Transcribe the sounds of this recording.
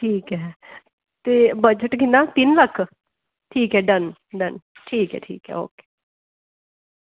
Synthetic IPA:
ʈʰiːkɦɛ | t̪ebəd͡ʒəʈɡinat̪inlɐkʰː | ʈʰiːkɦɛɖɐnɖɐnʈʰiːkɦɛ̰ʈʰḭːkɦɛ̰o̰ːke̥ː

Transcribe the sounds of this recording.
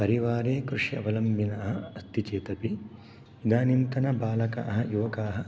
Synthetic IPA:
pɐɾiʋaːɾeːkɾuʂjɐɐ̰ʋɐlɐmbʱinɐɐɦɐɐst̪it͡ʃeːt̪ɐpi | id̪aːnint̪ɐnɐbaːlɐka̰ːɦɐ̆juːkaːɦɐ̆

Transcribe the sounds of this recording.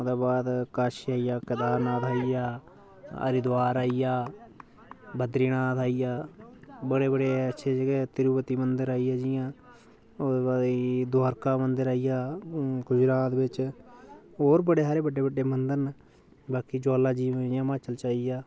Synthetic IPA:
od̪eːbaːd̪kəʃaːijaːkəd̪aːnãːt̪ʰaːijaː | ə̰ɾɪd̪waːɾaːijaː | bəd̪ɾiːnaːt̪ʰaːijaːbəɽeːbəɽeːətːʃʰeːd͡ʒəɡeːt̪ɪɾuːpət̪iːmənd̪əɾaːiːjaːd͡ʒɪjãː | d̪eːbaːd̪id̪aːɾkaːmənd̪əɾaːijaːɡʊd͡ʒɾaːt̪bɪt͡ʃ | ɦoːɾbəɽeːɦaːɾeːbəɖeːbəɖeːmənd̪əɾn | baːkiːd͡ʒoːlaːd͡ʒiːʋd͡ʒɪjãːmaːt͡ʃəlt͡ʃaːijaː

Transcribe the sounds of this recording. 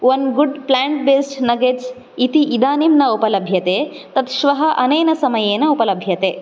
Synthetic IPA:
ʋɐnɡuɖplaːɳʈ̚beːsʈnɐɡed͡ʒ | it̪iʔid̪aːnimnɐupɐlɐbʱjɐt̪eː | t̪ɐt̪ʃʋɐɦɐʔɐnɐjnɐsɐmɐjeːnɐupɐlɐbʱjɐt̪eː

